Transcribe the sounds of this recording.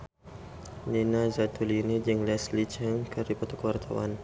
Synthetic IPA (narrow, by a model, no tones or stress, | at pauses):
ninazat̪ʰulinid͡ʒiŋlɛslit͡ʃəŋkəɾipɔt̪ukəwart̪ʰawa̰n